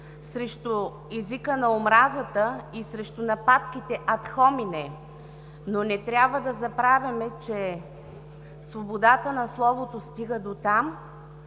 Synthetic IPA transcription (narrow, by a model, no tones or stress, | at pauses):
sɾɛʃt̪ʊ | ɛzikənɐomɾazət̪əisɾɛʃt̪ʊnɐpat̪kit̪ɛʔɐt̪xɔminɛ | nonɛt̪ɾʲabvəd̪ɐzɐpɾavʲɐmɛt͡ʃɛ | svobod̪at̪ənɐslˠɔvot̪ost̪iɡəd̪ot̪am